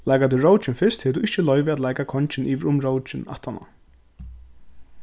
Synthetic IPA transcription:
lajkat̪ɪɾowt͡ʃɪnfɪst̪hɛːt̪uɪht͡ʃɪlɔʏvɪat̪laːjkakʰɔɲt͡ʃɪnʔiːʋɪɾʊmɾowt͡ʃɪna̰ht̪ːanːa̰

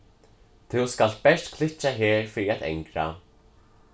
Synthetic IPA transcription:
t̪ʰuwskal̥t̪̚pɛʂt̪kʰlɪt͡ʃːaɦɛːɾfɪɾiaðḛjŋkɾa̰

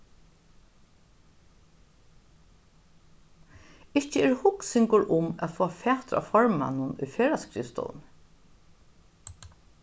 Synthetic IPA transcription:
ɪhcəɛɹhʊksɪŋkʊɹʔʊmæ̰t̪fɔːafɛːt̪ɾa̰fɔɹma̰nʊnʊ̰jfeːɾaskɾḭːfst̪ɔ̰ːln

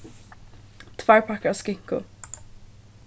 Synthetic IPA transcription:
t̪ʰvaɹpʰakaaskɪŋ̥kʊ

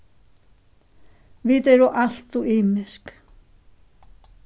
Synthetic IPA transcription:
vit̪ɛɾuʔaɬt̪uʔiːmɪsk

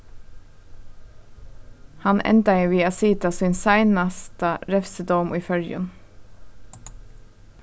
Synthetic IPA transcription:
hɑnʔɛ̰nt̪ɑɪːʋiːɑsiːt̪ɑsiːnsæɪnɑst̪əɾɛfsəd̪ɔmʔiːfœljə̰n

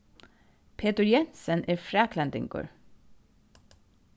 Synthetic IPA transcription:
pʰeːt̪əɹjɛnsənʔeːfɹæːkʰlɛnt̪ɪ̰ŋɡo̰ːɹ

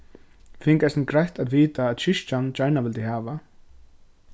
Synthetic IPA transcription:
fɪŋkasnkɾajht̪aðviːt̪aːt̪ɕɪʂt͡ʃant͡ɕajɹnavɪlt̪ɪɦaːva

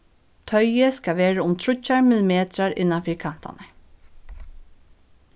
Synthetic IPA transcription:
t̪ʰœjɪskaʋeːɹaʊmt̪ʰɾʊt͡ɕːaɹmɪlɪmeːt̪ɾaɹɪ̰nːanfiːɹkʰan̥t̪a̰nə

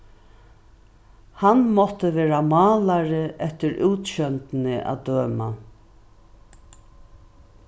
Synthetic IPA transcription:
hanmɔt̪əʋeːɾamɑːlaɾɪʔɛht̪ɪɾʔuːt̪ɕœnt̪nɪʔa̰d̪øːma̰

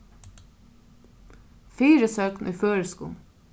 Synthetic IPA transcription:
fiːɾəsøːknʔyːføːɹəskṵːl

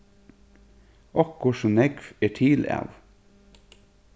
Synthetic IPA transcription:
ɔkʰʊʃɔnɛɡfeːʈʰiːlæ̰ːʋ

